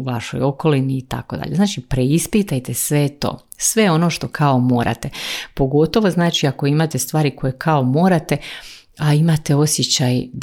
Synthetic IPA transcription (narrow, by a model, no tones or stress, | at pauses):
uʋaʃo̞̰jo̞ko̞liniːt̪a̰ko̞̰d̪a̰ʎenaːt͡ʃipɾe̞ispit̪ajt̪esʋet̪o̞̰ː | sʋe̞o̞no̞ʃt̪o̞kʰao̞mo̞ːɾʔa̰t̪epo̞ɡo̞t̪o̞ʋo̞znaːt͡ʃiako̞imat̪est̪ʋaːɾiko̞jekʰao̞mo̞ːɾat̪e̞ | aimat̪e̞o̞sjet͡ɕaj